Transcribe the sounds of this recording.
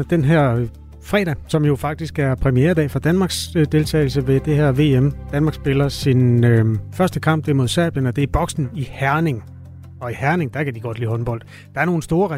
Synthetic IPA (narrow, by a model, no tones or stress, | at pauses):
d̥enɦæɐ̰ | fʁɛ̰ːɾ̥æsɒ̽mjo̝fɑ̈ɡ̥̚d̥isɡ̥æɐpʰʁɛmiḛːɐɾɛ̰ːfɑ̈d̥ænmɑ̈ːɡ̥sd̥e̝lt͡sʰɛ̰ːɪl̩səʋe̝d̥e̝heɐ̰ʋe̝̰ːemd̥ænmɑ̈ɡ̥sb̥e̝lɐsinøfɶɐsd̥əkʰɑ̈m̰b̥̚d̥e̝ɐmo̝ð̞ˠsɛɐ̰b̥jənɒ̽d̥e̝æɐb̥ɒ̽ɡ̥sn̩ihæɐne̝ŋ | ɒ̽ihæɐne̝ŋd̥ɑ̈kʰæd̥iɡ̥ɒ̽d̥lḭːɦɒ̽nb̥ɒ̽l̰d̥ | d̥ɑ̈æɐno̝ːn̩sd̥o̝ːɐʁa